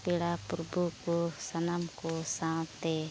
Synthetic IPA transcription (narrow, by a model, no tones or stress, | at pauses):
pilapərbukusanamkusat̪e